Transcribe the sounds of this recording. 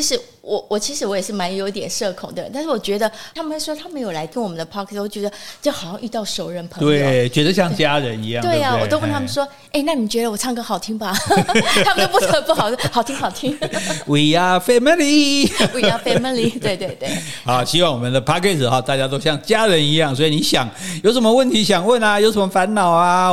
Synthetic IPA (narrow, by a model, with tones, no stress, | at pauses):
t͡ɕi˧˥ʂɻ̩˧˥ | wɔ˨˩wɔ˨˩t͡ɕʰi˧˥ʂɻ̩˧˥wɔ˧˥jɛ˨˩ʂɻ̩˥˩ma˧˥njo˧ʊi˧t̪jɛ˨˩nʂɤ˥˩kʰʊ̰˨˩ŋd̪ə̰˩˧˦t̪ʂ̩˥˩wɔ˨˩t͡ɕɥɛ˧˥d̪ə˧a˥mə˧nwe˥˩ʂwɔ˥t̪ʰa˥mə˧˥jo˨˩ʊla˧˥ɪk̪ʰə˥nwɔ˨˩mə˦nd̪ə˧pʰɑ˥kʰɛ˥˩swɔ˧˥˩t͡ɕɥɛ˧˥d̪ə˧t͡ɕo˥˩xʊɕjɑ˥˧ŋʔy˥˧t̪ɑ˥˩ʊʂo˨˩ʊɻə˧˩npʰɤ˧t̪we˥˩t͡ɕɥɛ˧˥d̪ə˧ɕjɑ˥˩ŋt͡ɕja˦˥ɻə˧˦ni˧˥jɑ˥˨t̪we˥˩ɪa˨˩wɔ˨˩o˥ʊwə˥˨nt̪ʰa˥mə˨ʂwɔ˥ | e˥˧ɪna˥˩ni˨˩t͡ɕɥɛ˧˥d̪ə˧wɔ˨˩t͡sʰɑ˥˧ŋkə˧˥xɑ˨˩ʊt̪ʰi˥ŋba˨ | a˥mə˨o˥pu˥˩ə˧˦pu˥˩xɑ˨˩ʊ˥xɑ˨˩ʊt̪ʰi˥ŋxɑ˨˩ʊt̪ʰi˥ŋwi˨˩a˦fɛ˥mə˥˦nli˧˥wi˨˩ja˥fe˥mə˧˥li˧t̪we˥˧ɪt̪we˥˧ɪt̪we˥˩xɑ˧˨˦ɕi˥wɑ˥˩ŋwɔ˨˩mə˨nd̪ə˨pʰa˥kʰɛ˥˩s̩˨˩xɑ˨˩t̪a˥˩t͡ɕja˥t̪̬o˥ʊɕjɑ˥˩ŋt͡ɕja˥ɻə˧˦ni˧˥jɑ˥˩ŋswɔ˧˥i˨˩ni˨˧˥ɕjɑ˨˦ŋjo˧˥ʊʂə˧˦nmə˧wə˥˩nt̪ʰi˨˥ɕjɑ˨˩ŋwə˥˩na˨jo˧˥ʊʂə˧˦mə˧fa˧˦nnɑ˨˩ʊa˦